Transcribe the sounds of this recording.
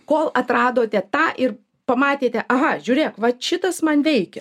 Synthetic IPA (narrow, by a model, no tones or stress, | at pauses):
koːlˠɐt̪ɾɑːd̪oːt̪ʲɛt̪ɑːʔɪr | pɐmɑːt̪ʲeːt̪ʲɛʔɐɦɐʒʲuːɾʲeːkʋɐʃʲɪt̪ɐsmɐnʋʲɛɪkʲɛ